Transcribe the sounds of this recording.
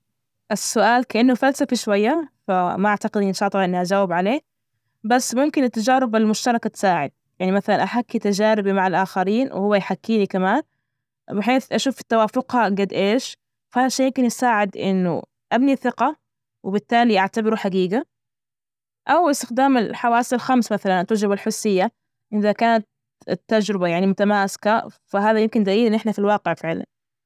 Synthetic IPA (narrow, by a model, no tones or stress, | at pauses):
ʔɪsːʊʔaːlkaʔɪnːʊfalsafaʃwajːafamaʔaʕt̪aqɪd̪nʃɑːʔlˤːʔɪnːiʔad͡ʒaːwɪbʕaleː | basːmʊmkɪnɪt̪ːad͡ʒaːɾɪbɪlmʊʃt̪ɑɾˤɑkat̪ɪ̥saːʕɪ̰d̪̥̚jaʕnimaθalanʔaħakːit̪ad͡ʒaːɾɪbimaʕalʔaːxaɾiːnwɪ̰hʊwːajħakːiːnikamaːn | bɪħeːθʔaʃuːfɪ̥t̪ːawaːfʊqhaɡad̪ʔeːʃ | fahaðʃeːjɪmkɪnjɪsaːʕɪd̪ʔɪ̰nːʊ̰ | ʔabniθɪqɑ | wɪbɪt̪ːaːliʔaʕt̪abɪɾuħaɡiːɡa | ʔawɪst̪ɪxd̪aːmɪlħawaːsalxamsmaθalant̪ad͡ʒɾɪbalħʊsːɪjːa | ʔnðakaːnat̪̚ | t̪ːad͡ʒɾɪbajaʕnimʊt̪amaːsɪ̥kafaɦaːðajɪmkɪnd̪aʔiːlʔɪnːʔɪħnafilwɑːqɪʕfɪʕla̰n